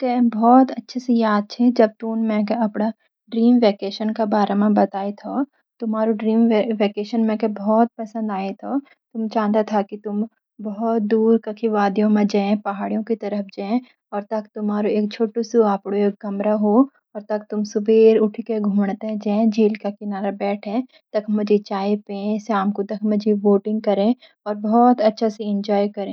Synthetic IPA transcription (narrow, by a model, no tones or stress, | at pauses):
k̪ebɔːt̪ɐtːʃʰesejaːd̪̚t͡ʃʰed͡ʒɐb̚t̪ummɛ̃keɐpɽa | ɖɾiːmʋeːkeːʃənkabaːɾemẽbɐt̪aːet̪ʰo | t̪ʊmaːɾuɖɾiːmeʋeːkeːʃənmẽkebɔːt̪̚pɐsə̃nd̪aːet̪ʰoː | t̪ʊmt͡ʃãːnd̪at̪ʰakit̪ʊm | bɐɦɔt̪̚d̪uːɾkɐkʰiʋaːd̪jõmẽd͡ʒɛ̃ːpɐɦaːɽijõkit̪ɐɾəpd͡ʒãːẽ | ɔːɾt̪ɐkt̪ʊmɦaːɾoeːk̚t͡ʃʰoːʈosuaːpɽoeːk̚ɡɐmɾaɦoː | ɔːɾt̪ɐk̚t̪ʊmsʊbʱeːɾʊʈʰkeɡʱũːɳt̪ɛ̃d͡ʒɛ̃ːd͡ʒiːlkakɪnaːɾabɛːʈʰẽ | t̪ɐkʰmʊd͡ʒʱet͡ʃaːipẽːẽsaːmkot̪ɐkʰmɐd͡ʒʱeʋoːʈɪ̃ŋɡ̚kɐɾẽ | ɔːɾbɔːt̪ɐtːʃʰaseɪ̃nd͡ʒɔːjkɐɾẽː